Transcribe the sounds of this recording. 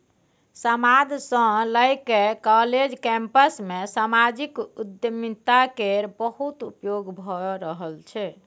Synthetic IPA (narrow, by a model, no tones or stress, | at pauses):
səmad̪ʱsə̃ləjkekɔled͡ʒkɛ̃mpəsmesamad͡ʒikud̪jəmit̪akeɾbəɦut̪upjoɡbʱɔɾəɦəlt͡ʃʰɛ